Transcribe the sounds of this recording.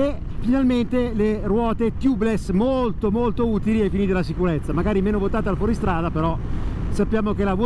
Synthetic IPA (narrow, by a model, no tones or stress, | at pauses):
e | finalment̪elerwɔːt̪et̪jublesmolt̪omolt̪ouːt̪iliɛfːiniːt̪elasikuɾet̪sːamaɡaːɾimeːnovot̪aːt̪ealfwɔːɾist̪ɾaːd̪apeɾɔsapːjaːmokelav